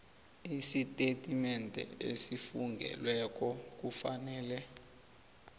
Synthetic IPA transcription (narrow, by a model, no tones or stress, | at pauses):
isitʼetʼimɛntʼɛ̰ḛsifuŋɡʱɛ̰lwɛk̬ʼɔk̬ufanɛːlɛ